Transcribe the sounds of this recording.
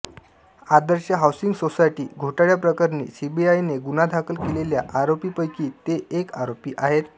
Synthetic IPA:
ad̪əɾɕaɦawsiŋɡsosajʈiːɡʱoʈaɭjapɾəkaɾnḭːsibiajneɡunad̪ʱakəlkeleljaʔaɾopiːpəjkiːt̪eʔekaɾopiːʔaɦet̪

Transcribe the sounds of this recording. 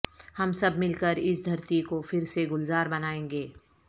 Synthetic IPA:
hɐmsɐbmɪlkəɾɪsd̪ʱɐɾt̪ikofɪɾseɡʊlzaːɾbɐnaːẽːŋɡeː

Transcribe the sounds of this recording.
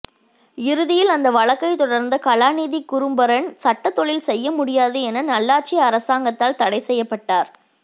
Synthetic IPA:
ɪɾɯðɪjɪlɐnd̪ɐʋɐɭɐkːɐɪt̪ɔɽɐɾnd̪ɐkɐɭaːniːðikːʊɾɯmbɐɾɐɳsɐʈːɐt̪ːɔɭɪlsɛjːɐmʊɽɪjaːðɯɛnɐnɐlːaːʈ̚t͡ʃɪɐɾɐsaːŋɡɐt̪ːaːlt̪ɐɽɐɪsɛjːɐpːɐʈːaːɾ

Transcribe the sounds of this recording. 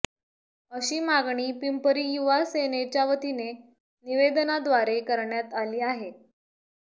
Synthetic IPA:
əɕiːmaɡɳ̃iːpimpəɾiːjuʋasenet͡ɕjaʋət̪ine | niʋed̪ənad̪ʋaɾekəɾɳjat̪aliːaɦe

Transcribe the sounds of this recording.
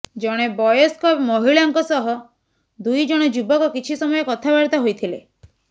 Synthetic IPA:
d͡ʒɔɽ̃ebɔjɔskɔmɔɦiɭaŋkɔsɔɦɔ | d̪ujd͡ʒɔɽ̃ɔd͡ʒubɔkɔkit͡ʃʰisɔmɔjɔkɔt̪ʰabaɾt̪aɦojt̪ʰilḛ

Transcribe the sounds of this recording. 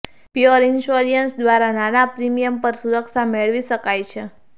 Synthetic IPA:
piəɾɪnʃoɾijənsd̪ʋaɾananapɾimijəmpəɾsuɾəkʃameɭʋiʃəkajt͡ʃʰe

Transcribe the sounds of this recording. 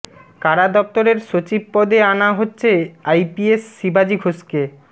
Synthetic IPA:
kaɾad̪ɔp̚t̪oɾeɾʃot͡ɕib̚pɔd̪eanaɦotːɕʰeajpiesːibad͡ʑiɡʱoske

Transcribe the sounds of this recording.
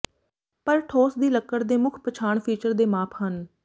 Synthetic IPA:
pəɾʈʰoːsd̪iːləkːəɽd̪eːmʊkʰpət͡ʃʰaːɳpʰiːt͡ʃəɾd̪eːmaːpʰɦən

